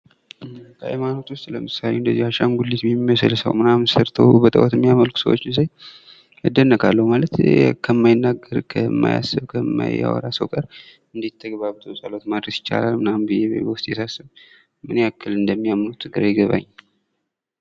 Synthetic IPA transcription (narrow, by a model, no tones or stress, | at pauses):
kʰəa̰jmano̞t̪wʊst̪ʼləmɨsalewnd̪əzːihaʃamɡulːit̪mimːəsɨlsə̰wmɨnamsəɾt̪ʰəwbət̪ʼə̰wɔt̪ɨmːijaməlkʰu̥səwot͡ʃːɪnsaj | ɨd̪ːənːəkʰalːəhumalət̪kʰəmːajɪnːaɡːəɾkʰəmːa̰ja̰sːɨβkʰəmːa̰ja̰wɔ̰ɾasəwkʼəɾ | ɨnd̪it̪ʰːəɡβaβɨt̪ʰəwsʼəlo̞t̪mad̪ɾəsjɪ̥t͡ʃːa̰lalmɨnambɨjeβḛβwʊst̪ʼjɛsasɨm | mɨneakʰːɨlɨnd̪əmːijamlut̪ʰɨɡɨɾajɡəβa̰ɲː